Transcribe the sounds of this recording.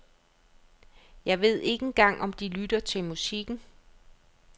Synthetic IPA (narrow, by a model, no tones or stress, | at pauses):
jɑ̈ɪʋe̝ð̞̰ˠe̝ɡ̥əenɡ̥ɑ̈ŋ̰ʔɒ̽md̥ilydɐt͡sʰe̝lmusiɡ̥n̩